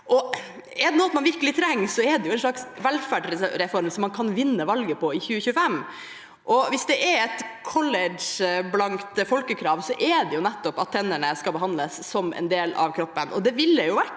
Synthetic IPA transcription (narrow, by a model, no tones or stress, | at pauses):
ʔɔ | ɛɾd̪ɛnɔːɑt̪mɑnʋɪɾkəlɪt̪ʰɾɛŋːsɔɛd̪ɛjʊɛɪnʂɭɑksʋɛlfæɖɾɛfɔɾmsɔmːɑnkʰɑnʋɪnːəʋɑlɡəpʰɔɪçʉːəçʉːəfɛm | ʔɔʋɪsd̪ɛʔɛɾɛt̪kʰɔlɛɖʂblɑŋkt̪fɔlkəkʰɾɑːʋsɔʔɛɖ̪ɛjʊnɛt̪ːɔpɑt̪ʰːɛnːəɳəskɑlbəɦɑnləsːɔmɛ̰nd̪eːlɑ̰ʋkʰɾɔpːənʔɔd̪ɛʋɪlːəjʊʋæʈ